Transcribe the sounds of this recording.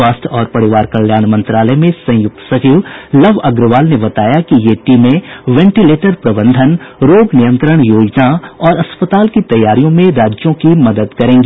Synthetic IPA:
aːst̪ʰɔːɾpɐɽɪʋaːɾkɐljaːnmɐ̃nt̪ɾaːləmẽsɐ̃jʊk̚t̪sɐt͡ʃiːʋlɐʋɐɡɾəʋaːlnebɐt̪aːjakijeʈiːmẽʋɛ̃ːɳʈileːʈəɾpɾɐbə̃nd̪ʱənɾoːɡnɪjə̃nt̪ɾəɽ̃joːd͡ʒnaɔːɾɐspət̪aːlkit̪ɐjːaːɾijõmẽɾaːd͡ʒjõkimɐd̪əd̪kɐɾẽːŋɡiː

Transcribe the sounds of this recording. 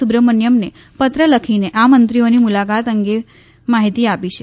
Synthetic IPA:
ubɾəmənjəmne | pət̪ɾələkʰineʔamənt̪ɾionimulakat̪əŋɡe | maɦit̪iapit͡ʃʰe

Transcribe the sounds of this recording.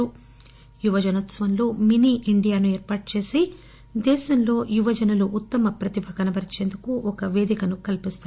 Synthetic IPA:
u | juʋɐd͡ʒɐnot̪sɐʋɐnlo̞ːminiːʔiɳɖijaːnueːɾpaːʈ̚t͡ʃe̞ːsi | d̪ɛːʃɐmlo̞ːjuʋɐd͡ʒɐnɐluʔːt̪ːɐmɐpɾɐt̪ibʱɐɡɐnɐbɐɾit͡ʃe̞ːnd̪ukuɔkɐʋe̞ːd̪ikɐnukɐlipist̪a

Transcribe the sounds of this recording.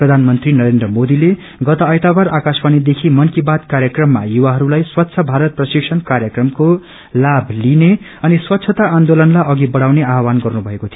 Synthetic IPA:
prʌd̪ʱanmʌnt̪rinʌɾend̪rʌmod̪ile | ɡʌt̪ʌːjt̪abaɾakaspanid̪ekʰimʌnkibat̪kaɾjʌkrʌmːa̰juwaɦʌɾulajswʌt̪ːsʰʌbʱaɾʌt̪̚prʌsiksʰʌnkaɾjʌkrʌmko | labʱline | ʌniswʌt̪ːsʰʌt̪aːnd̪olʌnlajʌɡibʌɽawneaɦwanɡʌrnubʱʌekot̪ʰi

